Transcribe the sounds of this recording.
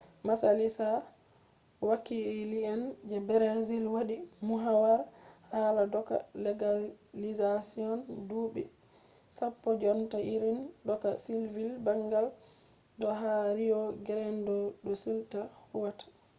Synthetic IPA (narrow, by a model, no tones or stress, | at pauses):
masalisa | wakiliɛnd͡ʒɛbɛɾazilwaɗimuɦawaɾhaladɔka̰lɛɡalizasiɔnduːɓḭ | sapːɔd͡ʒɔntaʔiɾindɔkasilvilbaŋɡal | dɔɦaɾijɔɡɛɾɛndɔɗɔsultahuwatḁ